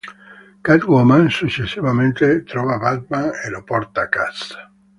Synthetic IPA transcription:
kat̪wɔmansut͡ʃːesːivament̪et̪ɾɔvabad̪̚manelopɔrt̪akasḁ

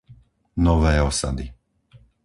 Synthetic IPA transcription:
nɔʋɛːɔsa̰d̪i

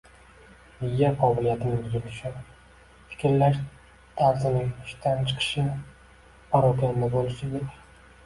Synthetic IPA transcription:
mɪjːaqʰɒbɪlijat̪ʰɪnɪbʊzʊɾɪʃɪ | fɪ̥kʲɾlaʃ | t̪ʰaɾzɪnɪŋɪʃt̪ʰant͡ʃʰɨ̥qʰɨ̥ʃɪn | pʰɒɾɒt̪ʲand̪abolˠɪʃɪd̪ʲɪ

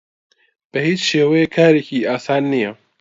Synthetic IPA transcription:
b̥ɛhiːt͡ʃʃeːwɛjekʰaːɾecʰiːaːsaːnːijɛ

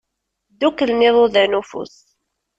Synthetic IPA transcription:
d̪ukːəlmɪðˤoðænufṵs

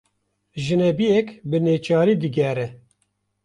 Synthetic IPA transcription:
ʒɨnɛbijɛkbɨneːt͡ʃɑːɾiːd̪ɨɡɛɾɛ

